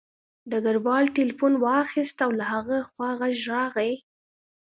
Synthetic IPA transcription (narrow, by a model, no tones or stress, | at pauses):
ɖ̪aɡaɾwɑlʈɪlfunwɑxist̪awlahaɣəxwɑɣaʒɾɑɣaj